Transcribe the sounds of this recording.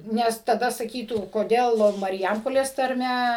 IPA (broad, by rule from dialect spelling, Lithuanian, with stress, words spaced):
ˈnʲɛs tɐˈdɐ sɐˈkʲiːtuː koːˈdʲeːlˠ mɐrʲˈjɛmpoːlʲeːs tɐrʲˈmʲɛ